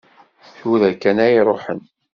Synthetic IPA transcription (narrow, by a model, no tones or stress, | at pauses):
θuðækːænæjɾˤoħə̰n